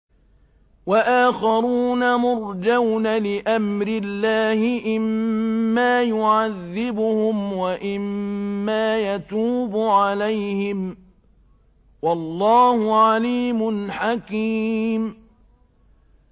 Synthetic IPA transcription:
waʔaːxɑɾuːnamʊɾd͡ʒawnalɪʔamɾɪlːaːhɪʔɪmːaːjʊʕaðːɪbʊhʊmwaʔɪmːaːjat̪uːbʊʕalajhɪm | wɑlːɑːhʊʕaliːmʊnħakiːm

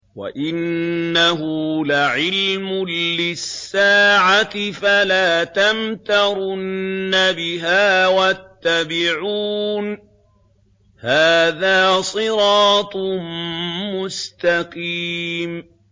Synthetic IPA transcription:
wa̰ʔɪnːaɦʊlaʕɪlmʊːɪsːaːʕat̪ɪfalaːt̪amt̪ɑɾʊnnːabɪɦaːwat̪ːabɪʕuːn | haːðaːsˤɨɾɑːt̪ˤmmʊst̪aqiːm

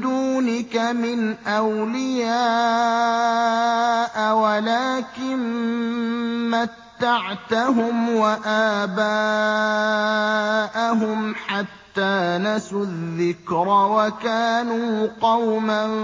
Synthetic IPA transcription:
d̪uːnɪkamɪnʔawlɪjaː | ʔawalaːkɪn | mat̪ːaʕt̪aɦʊmwaʔaːbaː | ʔaɦʊmħat̪ːaːnasʊðːɪkɾɑwakaːnuːqɑwma

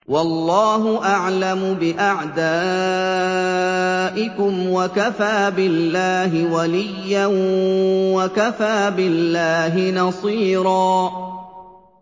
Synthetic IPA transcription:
wɑlˤːɑːɦʊʔaʕlamʊbɪʔaʕd̪aː | ʔɪkʊmwakafaːbɪlːaːɦɪwalɪjːan | wakafaːbɪlːaːɦɪnɑsˤiːɾˤɑː

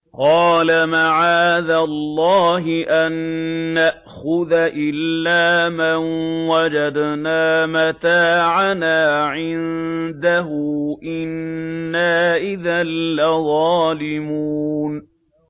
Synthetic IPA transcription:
qɑːlamaʕaːðalːɑːɦɪʔanːaʔxʊðaʔɪlːaːmanwad͡ʒad̪naːmat̪aːʕanaːʕɪnnd̪aɦʊʔɪnːaːʔɪðalːaðˤɑːlɪmuːn

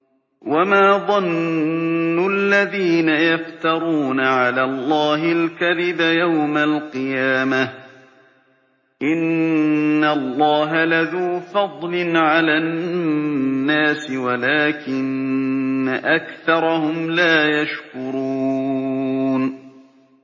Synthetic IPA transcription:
wamaːðˤɑnː | ʊʔalːaðiːnajaft̪ɑɾˤuːnaʕalaːlˤːɑːɦɪlkaðɪbajawmalqɨjaːma | ʔɪnː | alˤːɑːɦalaðuːfɑd̪ˤlɪnʕalaːnː | aːsɪwalaːkɪnː | aʔakθɑɾˤɑhʊmlaːjaʃkʊɾuː | n

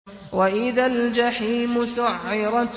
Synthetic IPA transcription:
waʔɪðald͡ʒaħiːmʊsʊʕːɪɾˤɑ

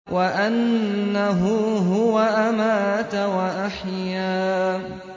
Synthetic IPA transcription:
wʔaʔanːaɦʊɦʊwaʔamaːt̪awaʔaħjaː

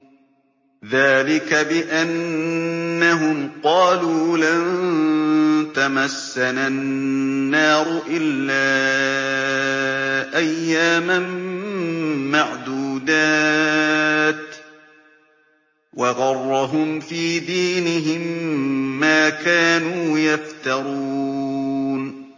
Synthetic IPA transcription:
ðaːlɪkabɪʔanː | aɦʊmqɑːluːlan | t̪amasːananːɑːɾʊʔɪlːaː | ʔajːaːman | maʕd̪uːd̪aː | t̪ | wɑɣɑrˤːɑɦʊmfiːd̪iːnɪɦɪmː | aːkaːnuːjaft̪ɑɾˤuː | n

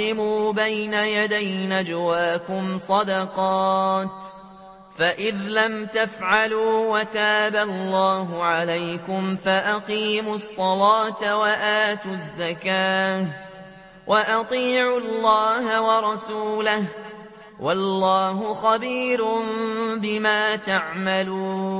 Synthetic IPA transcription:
ɪmuːbajnajad̪ajnad͡ʒawaːkʊmsˤɑd̪ɑqɑːt̪ | faʔɪðlamt̪afʕaluːwat̪aːbalːɑːɦʊʕalajkʊmfaʔaqiːmʊsˤːɑlaːt̪waʔaːt̪ʊzːakaː | wʔaʔɑt̪ˤiːʕʊlːɑːɦawɑɾˤɑsuːlah | wʔɑlˤːɑːɦʊxɑbiːɾʊmbɪmaːt̪aʕmaluː

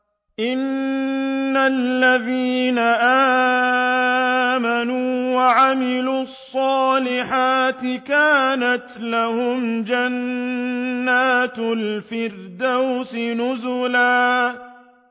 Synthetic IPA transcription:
ʔɪnː | alːaðiːnaʔaː | manuːwaʕamɪluːɑsˤːɑːlɪħaːt̪ɪkaːnat̪lahʊmd͡ʒanː | aːt̪lfɪrd̪awsɪnʊzʊlaː

